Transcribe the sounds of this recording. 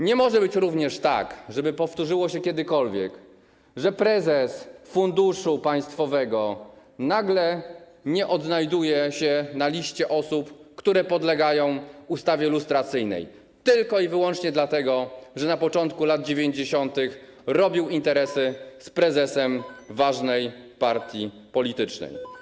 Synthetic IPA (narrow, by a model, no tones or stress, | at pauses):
ɲɛmɔʐɛbɘt͡ɕɾuvɲɛʂt̪a̰kʐɛbɘpɔft̪uʐɘwɔɕɛkʲɛd̪ɘkɔlvʲjɛ̰k | ʐɛpɾɛzɛsfund̪uʂupaj̃st̪fɔvɛɡɔnaɡlɛ | ɲɛʔɔd̪najd̪ujɛɕɛnalʲiɕt͡ɕɛʔɔsupkt̪uɾɛpɔd̪lɛɡajɔ̃w̃ust̪avʲjɛlust̪ɾat̪sɘjnɛ̰j | t̪ɘlkɔivɘwɔnt͡ʂɲɛd̪lat̪ɛɡɔʐɛnapɔt͡ʂɔnt̪kulad̪̚d͡ʑevʲjeɲd͡ʑeɕɔnt̪ɘx | ɾɔbʲiwint̪ɛɾɛsɘspɾɛzɛsɛmvaʐnɛjpaɾt̪ʲji | pɔlʲit̪ɘt͡ʂnɛ̰j